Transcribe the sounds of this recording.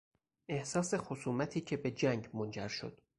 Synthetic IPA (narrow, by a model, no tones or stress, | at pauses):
ʔe̞hsɒːse̞xosuːmæt̪ʰiːcʰe̞be̞d͡ʒæŋɡmond͡ʒæɾʃo̞̰d̪̥